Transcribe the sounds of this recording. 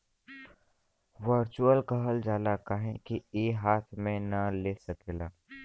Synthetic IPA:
ʋəɾt͡ʃuəlkəɦəld͡ʒaːlakaɦẽkieːɦaːt̪ʰmẽnɐleːsəkelaː

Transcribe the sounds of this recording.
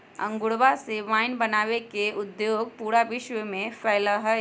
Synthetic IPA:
ɐ̰̃ŋɡʊɽʋaseʋaːɪnbɐnaːʋekeʊd̪joːɡ̚puːɾaʋɪʃʋəmẽfɛːlaɦə

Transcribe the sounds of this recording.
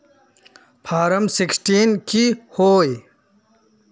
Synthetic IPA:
pʰaːɾɐmsiksʈiːnkihoːj

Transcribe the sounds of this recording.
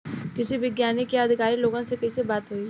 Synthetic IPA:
kɪsiʋɪɡjaːnikeɐd̪ʱɪkaːɾiloːɡãsekɐisebaːt̪ɦoːi

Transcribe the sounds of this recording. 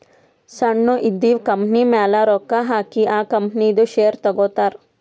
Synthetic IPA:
sɐɳːuʔid̪ːiːʋkɐmpnimaːlaɾoːkːaɦaːkiʔaːkɐmpnid̪uʃejɐɾt̪ɐɡoːt̪aːɾ

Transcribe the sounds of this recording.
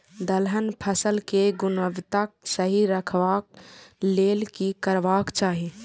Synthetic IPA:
d̪əlɦənpʰəsəlkeɡʊnəʋt̪ak̚səɦiɾəkʰʋaːk̚leːlkikəɾʋaːkt͡ʃaːɦi

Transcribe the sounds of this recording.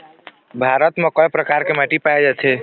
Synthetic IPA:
bʱaɾət̪mekəjpɾəkaɾkemaʈipajd͡ʒat͡ʃʰɛ

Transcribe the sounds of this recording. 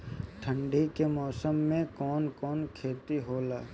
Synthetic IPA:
ʈ̪ʰə̃ɳɖʱikemɔːsəmːẽkɔːnkɔːnkʰeːt̪iɦoːlaː

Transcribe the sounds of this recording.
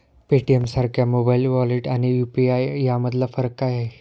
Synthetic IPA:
peʈiemsaɾkʰjamobailʋɔleʈañijupiajjaməd̪lafəɾəkːaja

